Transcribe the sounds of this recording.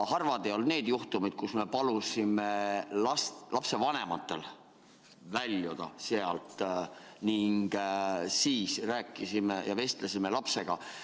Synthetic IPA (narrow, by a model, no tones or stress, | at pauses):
hɑrvɑd̪ejo̞lne̞ːd̪̥juht̪umid̪̥̚kusme̞pɑlusimelɑst̪lɑpse̞vɑne̞mɑt̪ːˑe̞̰l | vælʲːjud̪̥ɑ̰seɑlt̪ˑniŋɡ̥siːsræːkˑːisimejɑve̞st̪lesime̞lɑpse̞ɡ̥ɑ